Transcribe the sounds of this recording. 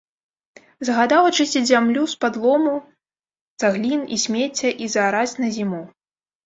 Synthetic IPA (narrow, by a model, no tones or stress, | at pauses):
zɐɣad̪awɐt͡ʂɨsʲɐzʲamlʲuspad̪lˠɔmu | zaɣlʲinḭsʲmʲet͡sʲːɐʔizɐːɾat͡sʲnɐzʲimu